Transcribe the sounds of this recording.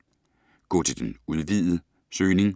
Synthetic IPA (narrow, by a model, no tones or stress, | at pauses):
ɡ̥ɔ̰̽ːt͡sʰe̝ld̥enuð̞ˠʋið̰̩ˠə | søːne̝ŋ